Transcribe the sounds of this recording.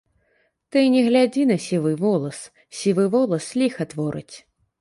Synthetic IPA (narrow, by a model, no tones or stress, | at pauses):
t̪ɨnʲɛɣlʲad͡zʲinɐsʲivɨvɔlˠɐs | sʲivɨvɔlˠɐsːlʲixɐt̪vɔɾɨ̰t͡sʲ